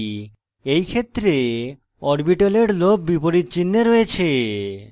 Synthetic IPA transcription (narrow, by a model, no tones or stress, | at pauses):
ejkʰet̪ːɾe | ɔɾbiʈoleɽlob̚bipoɾitt͡ɕinːeɾɔet͡ɕʰe